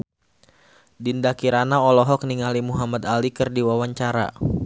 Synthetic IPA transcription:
dindakiɾanaɔlɔɦɔk̚niŋalimuɦamad̪alikɨrdiwawaɲt͡ʃaɾa̰

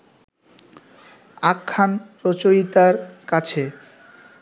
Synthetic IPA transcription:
akʰːanɾot͡ɕojit̪aɾkat͡ɕʰe

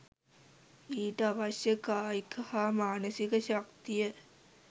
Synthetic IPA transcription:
iːʈəaʋɐsjəkaːikʰɐhaːmaːnəsikəɕak̚t̪ijə

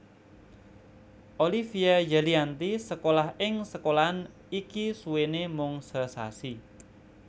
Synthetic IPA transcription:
ʔolifiajaliant̪isəkolahɪŋsəkolaɦn | ikisuwenemʊŋsəsa̰si

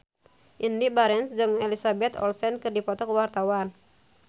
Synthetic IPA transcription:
ʔindibaɾɛnsd͡ʒɨŋɛlisabɛt̪ɔ̰lsɛnkɨrdipɔt̪ɔkəwart̪awan

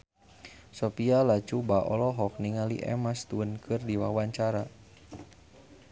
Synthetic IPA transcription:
sɔpialat͡ʃubaʔɔlɔɦɔk̚niŋaliʔɛ̰mast̪uənkʰɨrdiwawaɲt͡ʃaɾa

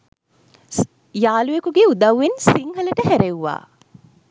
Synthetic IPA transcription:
jaːlujekuɡeud̪ɐwːensiŋɦɐləʈəɦæɾewʋa̰ː

